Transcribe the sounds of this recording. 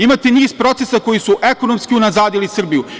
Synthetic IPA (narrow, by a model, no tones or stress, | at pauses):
imat̪eniːzpɾo̞t̪se̞sako̞jisuʔe̞ko̞no̞mskiunazaːd̪ilisr̩biju